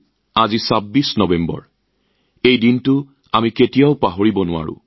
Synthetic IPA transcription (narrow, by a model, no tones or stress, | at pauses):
azisabːisnɔbembɔ̰ɹ | ejdintʊ | amiketijaʊpaɦoɹibɔnʊa̰ɹʊ̰̃